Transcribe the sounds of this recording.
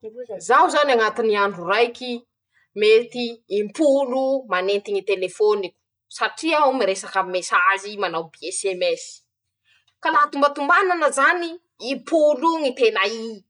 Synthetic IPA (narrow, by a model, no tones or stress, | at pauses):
zawzaniaŋat̪iniaɳɖ͡ʐurajkʲi | met̪iːmpulumanent̪iɲit̪elefonikʲu̥ | saʈ͡ʂiawmiɾesakamesazimanawbiesemɛsi̥ | kalat̪umbat̪umbananəzaniː | mpʰuluŋit̪enai